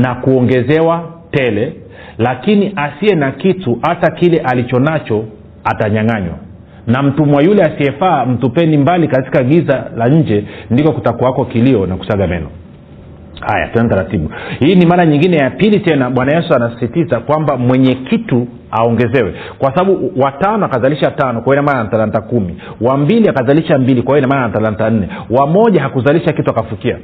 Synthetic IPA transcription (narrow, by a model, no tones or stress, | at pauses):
nakuɔŋɡɛzɛwatɛlɛ | lakiniʔasiɛnakituhatakilɛʔalit͡ʃɔnat͡ʃɔ | ataɲaŋaɲwa̰ | nam̩tumwajulɛasiɛfaːm̩tupɛnimbalikati̥kaɠizalaɲ̩d͡ʒɛndikɔkutakuakɔkiliɔnaku̥saɠamɛ̰nɔ | ha̰ja̰tnanitaɾatiɓuhiːnimaɾaɲiŋɡinɛjapilitɛnaɓwanajɛsuanasi̥sitizakwambamwɛɲɛkitu | aɔŋɡɛzɛwɛ | kwasaɓaɓuwatanɔakazaliʃatanɔkwaɛɔinamanantalantakumi | wambiliakazaliʃambilikwawɛɔinamananatalantan̩nɛwamɔʄaɦakuzaliʃakituakafukia̰